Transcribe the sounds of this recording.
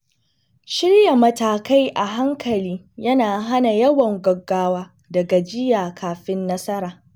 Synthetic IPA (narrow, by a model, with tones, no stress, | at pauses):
ʃɪ˦ɽja˨mɐ˨taː˨ka˦jʔa˨ɦa˦ŋkʰɐ˨liː˦ | jɐ˦naː˨ɦa˦na˨jɐ˦wɐ˨ŋɡɐ˨ɡːaː˦waː˦ | dɐ˨ɡa˨d͡ʒɪ˦jaː˨kʰaː˨ɸɪ˦nːɐ˦sɐ˦ɾaː˨